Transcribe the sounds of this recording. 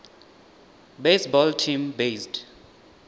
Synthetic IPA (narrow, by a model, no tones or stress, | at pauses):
besbɔltʰĩmbesd